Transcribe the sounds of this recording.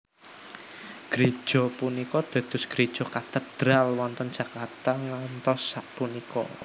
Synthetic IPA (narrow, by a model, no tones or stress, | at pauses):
ɡ̥ɾi̥ʒ̥ɔ̤punikɔd̪̥a̤d̪̥ʊ̤sɡ̥ɾid̥ʒ̥ɔ̤kat̪əd̪̥ɾalwɔnt̪ɔndd͡ʒ̥ä̤kart̪aŋant̪ɔsːat̪̚punikɔ̰